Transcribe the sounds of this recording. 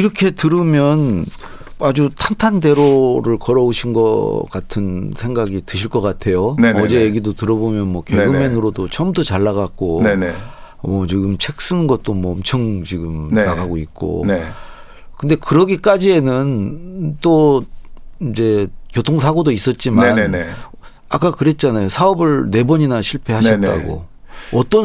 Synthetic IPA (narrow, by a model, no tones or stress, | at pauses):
iɾʌkʰe̞tɯɾɯmjʌn | ad͡ʑutʰantʰande̞ɾoɾɯɭkʌɾʌoɕʰinɡʌ̰k͈atʰɯnsʰe̞ŋɡaɡitɯɕʰiɭk͈ʌk͈atʰe̞jonʌd͡ʑe̞jeɡidotɯɾʌbomjʌnmwʌkeɡɯmenɯɾodot͡ɕʌmdot͡ɕaɭːaɣak̚k͈onenmʌt͡ɕiɡɯmt͡ɕʰe̞k̚s͈ɯnnɡʌt̚t͈omʌʌmt͡ɕʰʌŋt͡ɕiɡɯmnnaɣaɡoik̚k͈o̰ne | kɯnde̞kɯɾʌɡik͈ad͡ʑie̞nɯnt͈o | id͡ʑe̞kjotʰoŋs̬ʰaɡodois͈ʌt̚t͡ɕ͈imaan | ak͈akɯɾe̞t̚t͡ɕ͈anajosʰaʌbɯɭne̞bʌɲinaɕʰiɭpʰe̞haɕʰʌt͈a̰ɡo̰ | ʌt͈ʌ